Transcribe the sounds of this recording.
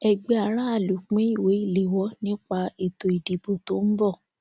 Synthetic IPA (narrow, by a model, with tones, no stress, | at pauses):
ɛ˧ɡ͡be˧˦a˨ɾa˦a˦˨lu˨k͡pĩ˨˦i˦˨we˨˦i˦˨le˨˦wɔ˦nĩ˦k͡pa˧e˨to˨i˨di˨bo˨to˨˦n̩˦bɔ˦˨